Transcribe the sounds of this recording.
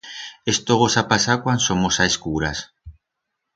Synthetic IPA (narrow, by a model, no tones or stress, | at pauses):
est̪oɣosapasakwansomosaeskuɾas